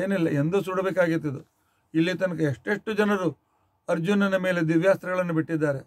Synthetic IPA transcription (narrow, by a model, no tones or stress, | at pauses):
eːnilːɐʔend̪usuːɽɐbeːkaːɡit̪ːɐd̪u | ilːit̪ɐnɐkeeʂʈeʂʈud͡ʒɐnɐɾu | ɐɾd͡ʒunɐnɐme̞ːle̞d̪iʋjaːst̪ɾɐɡɐɭɐnːubiʈːid̪ːaːɾe